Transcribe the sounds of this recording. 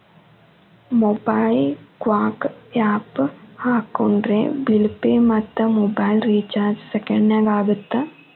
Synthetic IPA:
mobajllkʋaːkaːphaːkːoɳɖɾḛːbilpemɐt̪ːɐmobɐjlɾiːt͡ʃaːɾd͡ʒsekɐɳɖnaːɡaːɡut̪ːɐ

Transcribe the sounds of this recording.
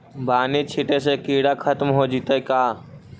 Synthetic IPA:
baːnit͡ʃʰiʈesekiːɽakʰət̪mɦod͡ʒit̪ekaː

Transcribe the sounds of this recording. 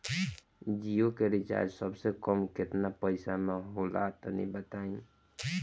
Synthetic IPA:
d͡ʒijokeɾit͡ʃa̰ɾd͡ʒsəbsekəmket̪napəɪsameɦola̰t̪ənḭbət̪ain

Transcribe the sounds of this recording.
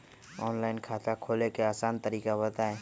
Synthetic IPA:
ɔːnlaːɪnkʰaːt̪akʰoːlekeaːsaːnt̪əɾiːkabət̪aeː

